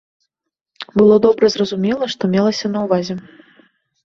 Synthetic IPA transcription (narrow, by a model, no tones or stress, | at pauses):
bɨlˠɔd̪ɔbɾɐzrɐzumʲɛlˠɐʂt̪ɔmʲɛlˠɐsʲɐnɐwvazʲɛ